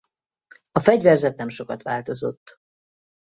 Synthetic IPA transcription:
ɒfɛɟvɛrzɛt̪̚nɛmʃo̞kɒt̪ʋaːlt̪o̞zo̞t̪ː

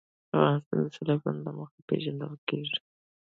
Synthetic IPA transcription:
afɣɑnɪst̪ɑnd̪asɪlafanlaməxapḛʒand̪əlkeʐi̥

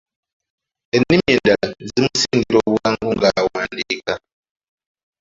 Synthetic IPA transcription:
enːimjeːndalazimusindiɾoβuaːŋɡuŋɡawaːndika

